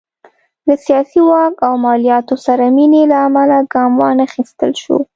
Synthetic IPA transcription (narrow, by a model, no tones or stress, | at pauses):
d̪əsijɑsiwɑkawmɑlijɑt̪osaɾaminelaːmalaɡɑmwɑnaxist̪ə̰lʃo̰